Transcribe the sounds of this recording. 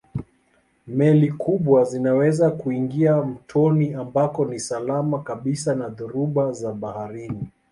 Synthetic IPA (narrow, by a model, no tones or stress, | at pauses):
mɛlikʰuɓwazinawɛzakuiŋɡiam̩tʰɔniambakɔnisalamakaɓisanaðuɾuɓazaɓahaɾini